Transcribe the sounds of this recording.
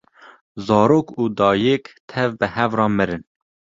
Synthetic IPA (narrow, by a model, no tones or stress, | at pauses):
zɑːɾoːkuːd̪ɑːjɛkt̪ʰɛvbɨhɛvrɑːmɨɾɨn